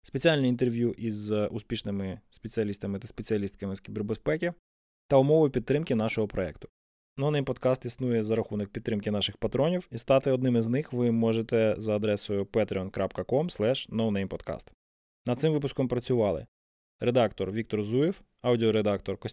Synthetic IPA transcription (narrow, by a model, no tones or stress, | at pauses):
spet͡sʲialʲnʲiint̪erʋʲjuʔizʊspʲiʃnɪmɪspet͡sʲiɐlʲist̪ɐmɪt̪ɐspet͡sʲiɐlʲist̪̚kɐmɪskʲiberbespɛkʲi | t̪ɐʊmɔʋʊjʊpʲid̪ːɾɪmkʲɪn̪ɑʃɔɦɔpɾɔɛ̰kt̪ʊ̥ | nɔwnɛjmpɔd̪kɑst̪isnujɛzɐɾɐxunɐk̚pʲid̪ːɾɪmkʲɪnɑʃɪxpɐt̪ɾɔnʲiwist̪ɑt̪ɪɔd̪nɪmɪznɪxʋɪmɔʒet̪ɛzɐːd̪ɾɛsɔjʊpɛt̪ɾʲɪɔnkɾapkɐkɔmslˠɛʃnɔwnɛjmpɔd̪kɑ̰st̪ | nɐd̪t̪sɪmʋɪpʊskɔmpɾɐt͡sʲʊʋɑlˠɪ̰ | ɾed̪ɑkt̪ɔrʋʲik̚t̪ɔrzujif | ɑwdʲiɔɾed̪ɑkt̪ɔrkɔ